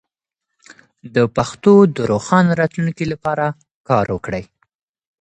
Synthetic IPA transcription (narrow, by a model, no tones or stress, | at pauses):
d̪əpaxt̪od̪əɾoxɑnɾɑt̪lunkilapɑɾa | kɑɾwəkɽəj